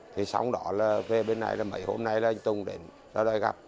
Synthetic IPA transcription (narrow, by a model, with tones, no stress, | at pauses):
t̪ʰi˨˩sa̰˨˧˦wŋ͡mɗɔ˧˨˦laː˨˩ve˧ɓe˧nːa̰˧jlaː˨˩mə̰˧˩˦jho˧mna˧jlaː˨ʔŋ̟t̪ʊ˧ŋ͡mɗe˧˨˩n | ɗɔ˧˦ɗɔ˧jɣa̰˨˩p̚